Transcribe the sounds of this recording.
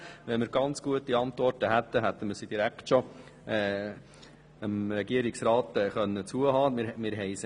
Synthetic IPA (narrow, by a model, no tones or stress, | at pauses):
ʋɛnmɪɾɡ̥ɑnt͡sɡ̥uətiɑnt̪vɔrtəɦæt̪ːəɦæt̪ːəməsid̥̪iɾæktʃɔ | ɛː | əmɾɛɡiəɾɪksɾɑːt̪ɛːχœnːət͡suəɦɑːmɪɾɦɛɪs